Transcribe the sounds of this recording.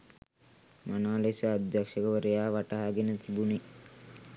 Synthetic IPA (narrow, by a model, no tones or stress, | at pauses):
manaːlesəad̪jakʂəkəʋəɾəjaːʋaʈaɦaɡenət̪ʰibuni